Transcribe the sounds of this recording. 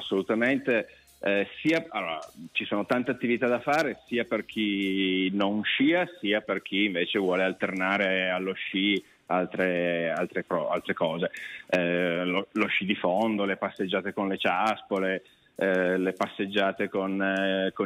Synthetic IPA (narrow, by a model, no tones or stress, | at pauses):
asːolut̪ament̪e | siːaalːo̰ːɾa̰t͡ʃisoːnot̪ant̪eat̪ːivit̪ad̪afaːɾesiːaperk̟ʰinoŋʃiːasiːaperk̟ʰiːɱveːt͡ʃevwɔːlealt̪ernaːɾealːoʃːi | alt̪ɾealt̪ɾepɾɔa̰lt̪ɾekɔːzeɛloloʃːid̪ifond̪olepasːed͡ʒːaːt̪ekonlet͡ʃaspole | lepasːed͡ʒːaːt̪ekonko